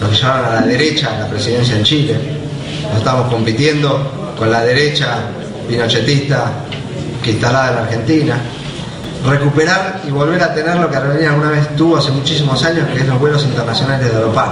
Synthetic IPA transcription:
lokeʃamaβanalaðeɾet͡ʃalapɾesiðe̞ns̬jaðet͡ʃile | noseht̪aβamosko̞mpit̪je̞nd̪o̞ | ko̞nlaðe̞ɾet͡ʃa | βinot͡ʃet̪ist̪a | kint̪alaðaelaɾxe̞nt̪ina | rekupeɾaɾiβo̞lβeɾat̪e̞neɾlo̞keareβenialɣunaβ̞est̪uβoasemut͡ʃisimosaɲoskokesloɦβwelosint̪eɾnasjo̞nalezðealopa

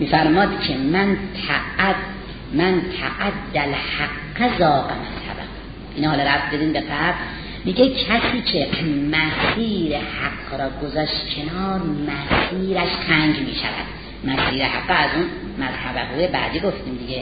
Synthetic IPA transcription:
miːfæɾmɒːd̪cʰemænt̪ʰ | mænt̪ʰæʔæd̪ːælhaɡːezɒːqemænt̪ʰæ̰bæ̰q | ʔinːɦɒːlɔɾæft̪d̪ed̪iːmbeɡæbɾ | miːɟekʰæsiːkʰemæsiːɾehaɡɾɒːɡozɒːʃt̪kʰe̞nɒːɾmæsiːɾæʃqʰæŋɡmiːʃæ̰væ̰d̪̥ | mæsiːɾehaɡːɔæzun | mæzhæbæhuːjebæ̰ːd̪iːɡoft̪iːmd̪iɡe

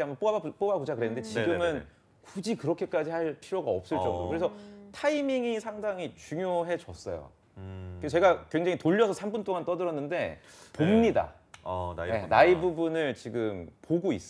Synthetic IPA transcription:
amʌp͈oaap͈obakud͡ʑakɯɾe̞nɯndet͡ɕiɡɯmɯn | kud͡ʑikɯɾʌkʰe̞k͈ad͡ʑihaɭpʰiɾoɡaʌp̚s͈ɯɭt͡ɕ͈ʌŋdo̰kɯɾe̞sʰʌtʰaimiŋisʰaŋdaŋit͡ɕuŋjoɦe̞t͡ɕʌs͈ʌ̰jo̰ | kest͡ɕe̞ɡakwe̞ŋd͡ʑaŋitoʎːʌsʰʌsʰambunt͈oŋant͈ʌdɯɾʌnːɯnde̞ | pomɲida̰ | nenaibubunɯɭt͡ɕiɡɯmpoɡois͈

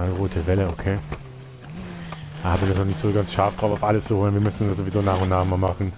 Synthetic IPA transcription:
alʁoːtʰəvɛləokʰeː | aːhabɪndɔsnɔχnɪçtz̥oːɡansʃaɐfd̥ʁaʊfaʊfʔaləst͡suhoːlənviɐmʏsn̩ʊndaszoːvizoːnaːχʊntnaːχmaːlmaχn̩

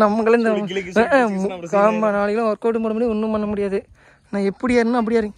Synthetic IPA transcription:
nɐmːɐŋɡɐɭɯnd̪ɐ | ɡaːmɐnaːɭɐɣɐlɐ̃ɔɾkoːʈ̬ːɯmpoːɽɯmɐɾiʊnːɯpɐnːɐmʊɽɪjaːðɯ | nãːɛpːɐɽɪjaːɾɯnːãːɐp̬ːɐɽɪjaːɾɯɡ

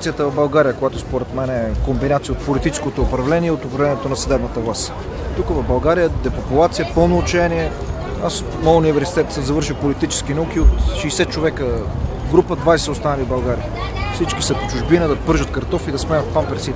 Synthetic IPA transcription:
t̪sijət̪əvɐvbɐlˠɡaɾijəkojat̪ospoɾɛt̪mɛnɛɛkombinat̪sijəot̪polit̪it͡ʃɛ̥skot̪oːpɾɐvlɛniɛot̪opɾɐvlɛnijɛt̪onɐsɐd̪ɛbnət̪əvlˠast̪ | t̪ukəvɐvbɐlˠɡaɾijəd̪ɛpopʊlˠat̪sijəpɤlˠnoːt͡ʃɛniɛ | as | məʊnivɛɾsi̥t̪ɛt̪səmzɐvɤɾʃipolit̪it͡ʃɛ̥sk̟inɐukiot̪ʃiːsɛt̪̚t͡ʃovɛkə | ɡɾupəd̪vajsɛost̪anəlibɐlˠɡaɾiəfsit͡ʃkisəpot͡ʃʊʒbinəd̪ɐpɤɾʒət̪kɐɾt̪ɔfid̪ɐsmɛnət̪̚pampɛt̪sit̪

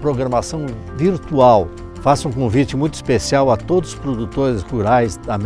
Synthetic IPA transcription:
pɾoɡɾɐmasɐ̃w̃ | viɾt̪uaw | fasũkõvit͡ʃɪmũj̃t̪ʊi̥spesiawɐt̪od̪ʊzʊspɾod̪ut̪oɾɪzhuɾajzd̪ɐm

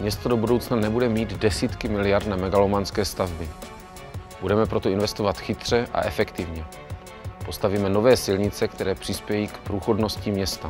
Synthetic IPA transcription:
mɲɛst̪odo̞budo̞wt͡snanɛbudɛmiːd̪dɛsiːt̪kɪmɪlɪjaɾd̪namɛɡalomanskɛːst̪avbɪ | b̥udɛmɛpɾo̞t̪o̞ɪnvɛst̪o̞vat̪xɪt̪r̝̥ɛʔa̰ʔɛfɛkt̪ɪvɲɛ | po̞st̪aviːmɛno̞vɛːsɪlɲɪt͡sɛkt̪ɛɾɛːpr̝̥ɪspjɛjiːkpɾuːxo̞dno̞scimɲɛst̪a

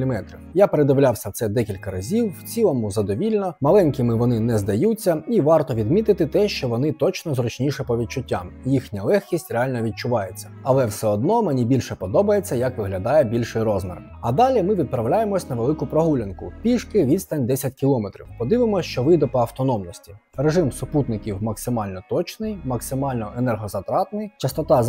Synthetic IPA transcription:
lʲɪmɛt̪ɾɪjapeɾed̪ɐwlʲawsʲɐt̪sɛd̪ɛkʲilʲkɐɾɐzʲiwwt͡sʲilˠɔmʊzɐd̪ɔʋʲilʲnɔmɐlˠɛnʲkɪmɪʋɔnɪnɛzd̪ɐjut͡sʲːɐiʋɑrt̪ɔʋʲid̪mʲit̪ɪt̪ɪt̪ɛʃt͡ʃɔʋɔnɪt̪ɔt͡ʃnɔzɾɔt͡ʃnʲiʃɛpɔʋʲid̪̚t͡ʃʊtʲːamjixnʲɐlˠɛxkʲisʲtʲreɑlʲnɐɔʋʲid̪̚t͡ʃʊʋɑjet͡sʲːɐ̥ɐlˠɛwsɛɔd̪nɔmenʲibʲilʲʃɛpɔd̪ɔbɐjet͡sʲːɐjɐkʋɪɦlʲɐd̪ɑjɛbʲilʲʃɪjrɔzmɛ̰r | ɐd̪ɑlʲimɪʋʲid̪̚pɾɐwlʲajemɔsʲnɐʋelˠɪkʊpɾɔɦulʲɐnkʊpʲiʂkɪʋʲid̪st̪ɐnʲd̪ɛsʲɐtʲkʲilˠɔmet̪ɾʲḭwpɔd̪ɪʋɪmɔsʲʃt͡ʃɔʋɪd̪ɔpɔɐwt̪ɔnɔmnɔsʲtʲi̥reʐɪmsʊput̪nɪkʲiwmɐksɪmɑlʲnɔt̪ɔt͡ʃnɪjmɐksɪmɑlʲnɔʔenɛrɦɔzɐt̪ɾɑt̪nɪjt͡ʃɐst̪ɔt̪ɑ

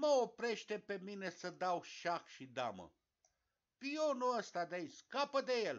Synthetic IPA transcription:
məopɾe̞ʃt̪e̞pe̞mine̞səd̪awʃakʃid̪a̰mə̰ | pionuəst̪ad̪aiskapəd̪e̞jel

